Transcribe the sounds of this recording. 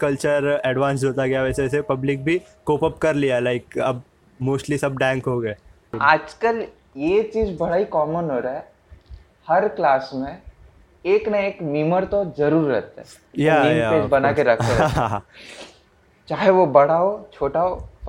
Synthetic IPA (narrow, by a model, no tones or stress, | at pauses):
kɐlt͡ʃəɾɛːɖʋãːns̬ɦoːt̪aɡɐjaʋɛːseɛːsepɐblɪk̚bʱi | koːpəp̚kɐɾlialaɪkɐb̚ | moːsʈlisɐb̚ɖɛ̃ːŋkɦoɡɐe | aːd͡ʒkəl | jeːt͡ʃiːzbɐɽaːikɔːmənɦoːɾaɦɛ | hɐɾklaːsmẽ | eːknɐeːkmiməɾt̪ozɐɾuːɾːɛɦt̪ɦɛ | jajapeːd͡ʒbɐnakeɾɐkʰẽ | t͡ʃaːɦeʋobɐɽ̤aɦot͡ʃʰoːʈao